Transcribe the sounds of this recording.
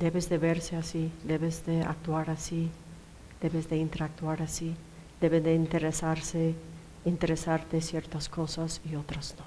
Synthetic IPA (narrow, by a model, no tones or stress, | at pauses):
d̪e̞βezðe̞βe̞ɾseasid̪eβezd̪ea̰k̚t̪waɾasi | d̪̥e̞βezðe̞int̪eɾak̚t̪waɾasi | d̪eβed̪eint̪eɾesaɾse | int̪eɾesaɾt̪esjeɾt̪asko̞sasio̞t̪ɾaz̥no